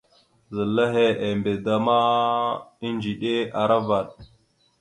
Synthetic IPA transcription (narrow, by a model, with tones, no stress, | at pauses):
zə˨la˦ɦe˦e˨mbe˨da˦ma˦ | i˦nd͡ʒi˨ɗe˦a˨ɾa˦va˨ɗ